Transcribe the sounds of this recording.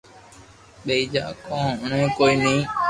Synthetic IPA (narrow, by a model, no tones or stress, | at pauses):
ɓeːiːd͡ʒa̰ːkõːʊɳẽːkoːiːnĩː